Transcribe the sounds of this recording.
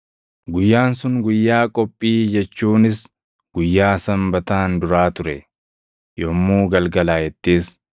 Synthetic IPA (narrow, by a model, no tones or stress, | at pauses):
ɡʊjːaːnsʊŋɡʊjːaːkʼɔpʼːiːd͡ʒɛt͡ʃːuːnɪs | ɡ̥ʊjːaːsɐmbɐt̪aːnd̪ʊɾaːt̪ʊɾɛ | jɔmːuːɡɐlɡɐlaːjɛt̪ːiːs